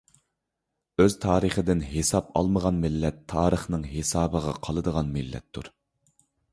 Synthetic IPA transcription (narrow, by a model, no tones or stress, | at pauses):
øz̥t̪ʰɑːɾəχəd̪ɪnɦesɑpɑ̰lˠməʁɑnmɪlːɛt̪ʰːɑːɾəχnɨŋɦesɑːbəʁɑqʰɑlˠɨd̪əʁɑnmɪlːɛ̰t̪ʰːuɾ